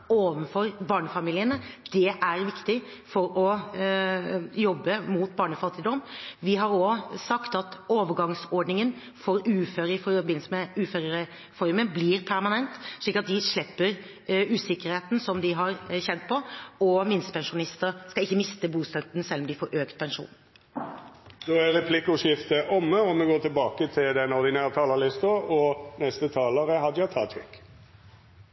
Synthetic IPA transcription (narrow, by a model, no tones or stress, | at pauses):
oːʋənfɔɾbɑːɳəfɑmiːlɪənəd̪̥ɛʔæɾʋɪkt̪ɪ | fɔɾɔ | jɔbːəmuːt̪bɑːɳəfɑt̪ːɪd̪ɔmːʋɪɦɑɾosɑkt̪ɑt̪oːʋəɾɡɑŋsɔɖnɪŋən | fɔɾʉːføːɾəɪfɔɾbɪnsəmɛʉːføːɾəɾə | fɔɾməbliɾpʰæɾmɑnɛnt̪ʂɭiːkːɑt̪̚d̪ɪʂɭɪpːəɾ | ʉːsɪkːəɾheːt̪n̩sɔmd̪ɪɦɑɾçɛnt̪̚pʰɔɔmɪnspʰɛnʂʊnɪst̪əɾskɑɪçːəmɪst̪əbuːst̪œt̪nsɛlːɔmd̪ɪfɔːɾøːkt̪pʰɛnʂṵːn | d̪oːæɾɛpʰlɪkːʊʂɪft̪əʔɔmːəɔmɛɡoːt̪ʰɪlbɑːkət̪ʰɪld̪ɛnɔɾd̪ɪnæːɾət̪ʰɑːləlɪst̪əɔnɛst̪ət̪ʰɑːloːɾəhɑd̪əjɑt̪ʰɑ̰ːt̪ʰɾɪ̰k